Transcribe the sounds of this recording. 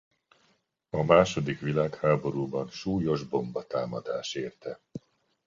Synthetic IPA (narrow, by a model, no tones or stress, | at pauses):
ɒmaːʃo̞d̪ikʋilaːkhaːbo̞ɾuːbɒnʃuːjo̞ʒbo̞mbɒt̪aːmɒd̪aːʃeːrt̪ɛ